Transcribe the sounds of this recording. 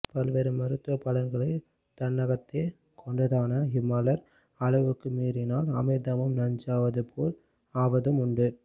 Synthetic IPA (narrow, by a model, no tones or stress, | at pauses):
pɐlʋeːɾɯmːɐɾɯt̪ːʋɐpːɐlɐnɡɐɭɐɪ | t̪ɐnːɐɣɐt̪ːeː | kʰɔɳɖɐðaːnɐɦɪmɐlɐɾ | ɐlɐʋɯkːɯmiːɾɪnaːlɐmɐɪd̪ɐmɯmnɐɲd͡ʒaːʋɐðɯpoːl | aːʋɐðɯmʊɳɖɯ